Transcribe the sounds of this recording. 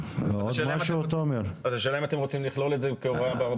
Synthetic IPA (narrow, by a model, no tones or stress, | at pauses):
odemaʃuot̪oːmeɾazaʃelaimat̪emʁot͡simliχlolezekeoʁeabeaʁd